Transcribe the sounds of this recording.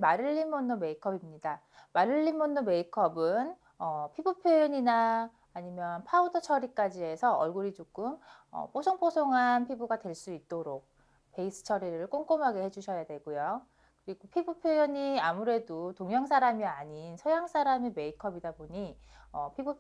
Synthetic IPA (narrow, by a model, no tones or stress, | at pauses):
maɾɯʎːinmonːome̞ikʰʌbimɲida | maɾɯɭʎːinmonːome̞ikʰʌbɯn | ʌpʰibupʰjojoɲinaː | ɲimjʌnpʰaudʰʌt͡ɕʰʌɾik͈ad͡ʑie̞sʰʌʌɭɡuɾit͡ɕok͈ɯmʌ̰p͈osʰoŋpʰosʰoŋɦanpʰibuɡadwe̞ɭs͈uit̚t͈oɾok̚ | pe̞is͈ʰɯ̥t͡ɕʰʌɾiɾɯɭk͈oŋk͈omɦaɡe̞he̞d͡ʑuɕʰʌjadwe̞ɡ̥ujo | kɯɾiɡopʰibupʰjojʌɲiamuɾe̞dotoŋjʌŋsʰaɾamiaɲinsʰʌjaŋs͈ʰaɾameme̞ikʰʌbidaboɲi | ʌpʰibu